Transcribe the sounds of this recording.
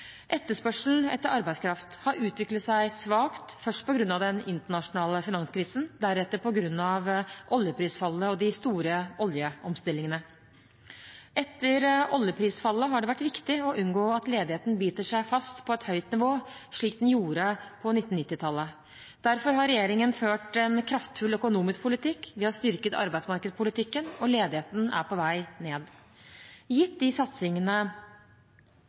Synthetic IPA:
ʔɛt̪ːəʂpœʂln̩ɛ̰t̪ːəɾʔɑɾbæɪskʰɾɑft̪hɑɾʉːt̪ʋɪklət̪sæɪsʋɑːkt̪fœʂʈ̚pɔɡɾʉnːɑʋd̪ɛnɪnt̪əɳɑʂʊnɑːləfɪnɑnskʰɾiːsn̩d̪æɾɛt̪ːəɾpɔɡɾʉnːɑʋʔɔljəpʰɾiːsfɑlːəɔd̪ɪst̪uːɾəɔljəʔɔmst̪ɪlːɪŋənə | ʔɛt̪ːəɾɔljəpʰɾiːsfɑlːəɦɑɖɛʋæʈːʋɪkt̪ɪɔʔʉnɡoːɑt̪leːd̪ɪheːt̪n̩byːt̪əʂæɪfɑst̪pʰɔɛt̪hœʏt̪nɪʋoːʂɭiːk̚d̪ɛnjuːɾəpʰɔnɪt̪ːn̩nɪt̪ːɪt̪ʰɑlːə | d̪̥æɾfɔɾɦɑɾɛjeːɾɪŋənføːʈɛnkʰɾɑft̪fʉlœkʊnuːmɪsk̚pʰʊlɪt̪ʰɪkːʋɪhɑɾst̪ʏɾkət̪ʰɑ̰ɾbæɪsmɑɾkəd̪spʰʊlɪt̪ʰɪkːənɔleːd̪ɪheːt̪n̩æ̰ɾpʰɔʋæɪneːd̪ | jɪt̪̚d̪ɪsɑt̪sɪŋənə

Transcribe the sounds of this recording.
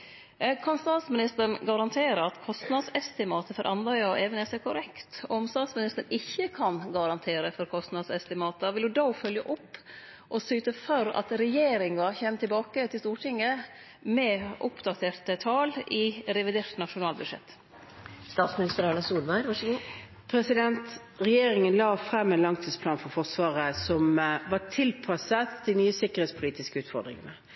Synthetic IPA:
kʰɑnst̪ɑːt̪smɪnɪst̪əɳɡɑɾɑnt̪ʰeːɾəɑt̪kʰɔst̪nɑd̪sɛst̪ɪmɑːt̪əfɔɾʔɑnd̪ɑɪɑʔeːʋənɛsɛkʰʊɾɛkt̪ɔɔmst̪ɑːt̪smɪnɪst̪əɳ̩ɪçːəkʰɑnɡɑɾɑnt̪ʰeːɾəfɔɾkʰɔst̪nɑd̪sɛst̪ɪmɑːt̪əʋɪlʉd̪ɔːfœljəʔʊpː | ʔɔsyːt̪əfœɾɑ̰t̪ɾɛjeːɾɪŋɑçeːmt̪ɪlbɑːkət̪ʰɪlst̪uːʈʰɪŋːə | mɛʔʊpd̪ɑt̪ʰeːɾt̪ət̪ʰɑːlɪɾɛʋɪd̪eːɾt̪nɑʂʊnɑːlbʉd̪ʂɛ̰t̪ː | st̪ɑːt̪smɪnɪst̪əɾɑlɑsuːlmɑɪɾʋɑʂəɡu | pʰɾɛsɪd̪ɛnt̪ | ʁɛjeːɾɪŋənlɑːfɾɛmːɛːnlɑŋt̪ʰiːspʰlɑːnfɔɾfɔʁsʋɑːɾəsɔmʋɑt̪ʰɪlpʰɑsət̪d̪ɪnyːəsɪkːəɾheːt̪spʰʊliːt̪ɪskəʉːt̪fɔɾd̪ɾɪ̰ŋə̰nə

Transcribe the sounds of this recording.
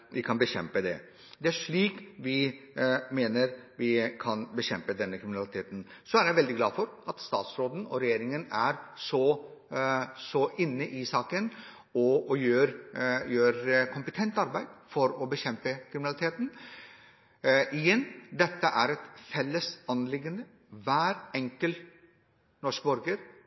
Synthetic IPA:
ʋɪkʰɑnbəɕɛ̰mpəd̪ɛ̰ | d̪ɛæʂɭiːkʋɪ | meːnəɾʋɪkʰɑnbəɕɛmpəd̪ɛnːəkʰɾɪmɪnɑlɪt̪ʰeːt̪n̩ | sɔæɾjæɪʋɛld̪ɪɡlɑ̰ːfɔɾʔɑt̪st̪ɑ̰ːt̪sɾoːd̪n̩ɔ̰ɾɛjeːɾɪŋənæɾsɔ | sɔʔɪnːəʔɪsɑːkən | ɔɔjøːɾjøːɾkʰʊmpət̪ʰɛnt̪ɑɾbæɪd̪fɔɾɔbəɕɛmpəkʰɾɪmɪnɑlɪt̪ʰeːt̪n̩ | ɪjɛnːd̪ɛt̪ːəʔæɾɛt̪fɛlːəsɑnlɪɡːənə | ʋæːɾɛŋkəl | nɔʂkbɔɾɡəɾ

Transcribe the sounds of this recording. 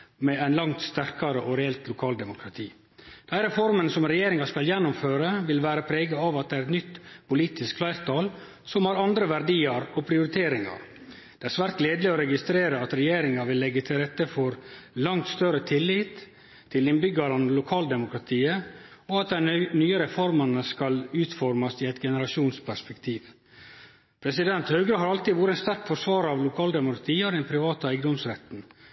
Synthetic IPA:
mɛæɪnlɑŋt̪st̪æɾkɑɾəʔɔɾɛɛlt̪lʊkʰɑːld̪ɛmʊkʰɾɑt̪ʰiː | d̪̥æɪɾɛfɔɾmənsɔmɾɛjeːɾɪŋɑskɑljɛnːʊmføːɾəʋɪlʋæːɾəpʰɾeːɡəɑʋɑt̪̚d̪ɛæɾɛt̪nʏt̪ːpʊliːt̪ɪskflɑɪɾt̪ʰɑːl | sɔmhɑɾɑnd̪ɾəʋæɾɖiːɑɾɔpʰɾɪʊɾɪt̪ʰeːɾɪŋɑ̰ɾ | d̪̥ɛæɾsʋæːɾt̪̚leːd̪lɪɔɾɛɡɪst̪ɾeːɾəɑt̪ɾɛjeːɾɪŋɑʋɪlːɛɡːət̪ʰɪlɾɛt̪ːəfɔɾlɑŋt̪st̪œɾət̪ʰɪlːɪt̪ʰː | ɪlɪnbʏɡɑɾɑnlʊkʰɑːld̪ɛmʊkɾɑt̪ʰiːəɔɑt̪̚d̪ɛænyːəɾɛfɔɾmənəskɑlʉːt̪fɔɾmɑsɪɛt̪ɡɛnəɾɑʂuːnspʰæʂpɛkt̪ʰiːʋ | pʰɾɛsɪd̪ɛnt̪hœːɡɾəɦɑɾɑlt̪iʋuːɾəɛnst̪æɾkfɔɾʂʋɑːɾɑʋlʊkʰɑːld̪ɛmʊkɾɑt̪ʰiːɔd̪ɛnpʰɾɪʋɑːt̪ɑæɪɡəd̪ɔmsɾɛt̪n̩

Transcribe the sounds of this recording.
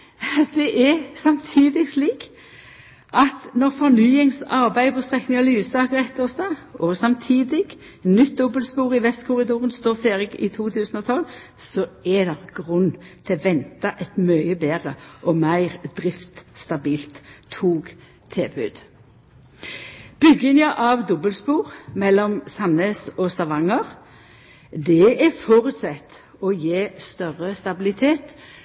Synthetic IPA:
d̪ɛʔɛsɑmt̪ʰiːd̪ɪɡsliːk | ʔɑt̪nɔʁfɔʁnyːɪŋsɑʁbæɪd̪pʰɔst̪ʁɛknɪŋɔlyːʋsɑːkəʁɛt̪ːəʁst̪ɑːɔsɑmt̪ʰiːd̪ɪɡ̥ | nʏt̪̚d̪ɔbəlspuːʁɪʋɛst̪kʰʊʁɪd̪uːʁənst̪oːʁfeːʁɪɡɪ̰t̪ʰuːt̪ʰʉːsənɔt̪ʰɔlː | sɔɛd̪ɛʁɡ̥ʁʉnːt̪ʰɪɔʋɛnt̪ɑʔɛt̪møʏəbeːʁəʔɔmæɪʁd̪̥ʁɪft̪st̪ɑbiːlt̪ʰuːɡ | t̪ʰeːbʉːd̪̥ | b̥ʏɡɪnjɑʔɑʋd̪ɔbəlspuːʁmɛlːɔmsɑnəsɔsɑʋɑŋəʁ | d̪ɛɛfɔʁʉt̪sɛt̪ | ɔjeːst̪œʁəst̪ɑbɪlɪt̪ʰeːt̪

